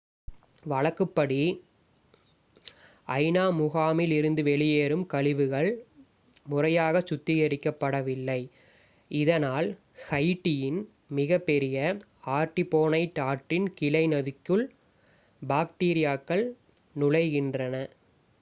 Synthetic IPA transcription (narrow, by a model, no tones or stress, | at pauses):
ʋɐɭɐkːɯpːɐɽi | ɐɪnaːmʊɣaːmɪlɪɾɯnd̪ɯʋɛɭɪjeːɾɯmkɐɭɪʋɯɣɐɭ | mʊrɐjaːɣɐt͡ʃʊt̪ːɪɣɐɾɪkːɐpːɐɽɐʋɪlːɐɪ | ɪðɐnaːl | hɐɪʈːɪjɪn | mɪɣɐpːɛɾɪjɐ | aːʈːɪpːoːnɐɪt̪ːaːʈrɪnkɪlɐɪnɐðɪkːɯɭ | baːk̚ʈiːɾɪjaːkːɐɭ | nʊɻɐɪɣɪndrɐnɐ